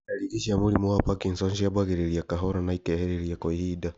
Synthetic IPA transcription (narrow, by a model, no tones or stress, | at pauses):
aliiʃiamulimɔapakinsɔnʃiabaɣɛɾɛɾiakaɦɔɾanaikɛhɛɾɛɾiakɔhida